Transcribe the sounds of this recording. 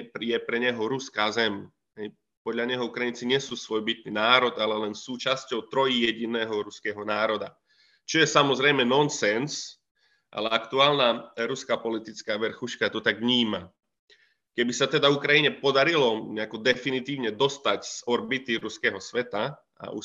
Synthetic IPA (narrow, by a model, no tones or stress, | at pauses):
pjɛpɾɛɲɛɦɔɾuskaːzɛm | ɦɛj | pɔd̪ʎaɲɛɦɔukɾajint͡siɲɪɛsuːsʋɔjbit̪̚ninaːɾɔd̪alɛlɛnsuːt͡ʃascɔʊt̪ɾɔjijɛɟinɛːɦɔɾuskɛɦɔnaːɾɔd̪a | t͡ʃɔjɛsamɔzɾɛjmɛnɔnsɛns | ʔa̰lɛakt̪uaːlnaɾuskaːpɔlit̪it͡skaːʋɛɾxuʃkat̪ɔt̪aɡvɲiːma | kɛbisat̪ɛd̪aukɾajiɲɛpɔd̪aɾilɔɲɛakɔd̪ɛfinit̪iːʊɲɛd̪ɔst̪acz̥ɔɾbit̪iɾuskɛːɦɔsʋɛt̪a | a̰ʔṵ